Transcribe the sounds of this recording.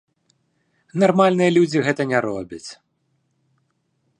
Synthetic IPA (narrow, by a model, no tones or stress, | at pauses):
narmalʲnɨjɐlʲud͡zʲiɣɛt̪ɐnʲɛɾɔbʲɐt͡sʲ